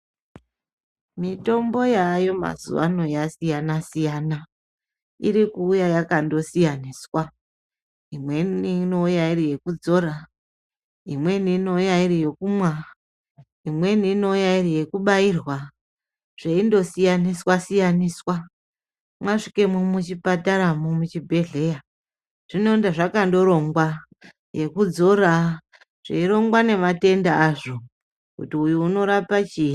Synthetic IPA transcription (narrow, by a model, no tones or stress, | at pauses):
mito̞mbo̞jajo̞ma̰zṵʋa̰no̞jasijanasijana | ḭɾikuːjajakando̞sijaniːswa | imwe̞nino̞ujairije̞kud͡zo̞ɾa | imwe̞nino̞ujaiɾijo̞kumwa | imwe̞niːno̞ujairije̞kuɓairwa | ʐ̥eindo̞sijaniswasijaniswa | mwaʂi̥ke̞mumut͡ʃipataɾamumut͡ʃibʱe̞ɮe̞ja | ʐ̥ino̞indaʐakando̞ɾo̞ŋɡwa | je̞kud͡zo̞ɾa | ʐ̥ḛiɾo̞ŋɡwane̞mate̞ndaːʐo̞ | kutiujuːno̞ɾapat͡ʃi